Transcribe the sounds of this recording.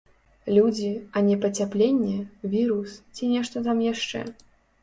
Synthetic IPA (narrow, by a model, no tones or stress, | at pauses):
lʲud͡zʲiɐnʲɛpɐt͡sʲaplʲenʲːɛvʲiɾust͡sʲinʲɛʂt̪ɔt̪amjaʂt͡ʂɛ̰